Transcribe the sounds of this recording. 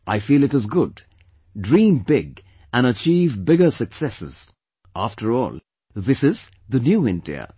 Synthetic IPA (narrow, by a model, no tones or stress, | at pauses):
ʔaɪfiːlɨɾɨzɡʊd | dɹĩːmbɪɡ | ɨ̃nət͡ʃiːvbɪɡəsɨksɛsɨ̰z̥ | ʔæftʰəɹɔ̰ːlˠ | ðɪsɪz | ðənjuːɪ̃ndḭə̰